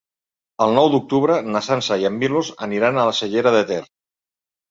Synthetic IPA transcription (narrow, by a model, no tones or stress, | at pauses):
əlˠnɔwd̪uk̚t̪uβɾənasansaiamːilozə̰niɾanalasəʎeɾəðət̪ɛr